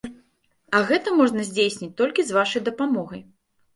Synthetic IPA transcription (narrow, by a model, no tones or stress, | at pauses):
ɐɣɛt̪ɐmɔʐnɐzʲd͡zʲejsʲnʲit͡sʲt̪ɔlʲkʲizvaʂɐjd̪ɐpamɔɣɐj